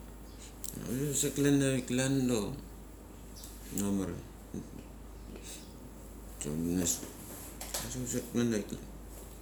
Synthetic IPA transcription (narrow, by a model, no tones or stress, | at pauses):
a̰soseklenaiklanlo | nomaɾa̰ | to̰nes | asoseklenaikla̰n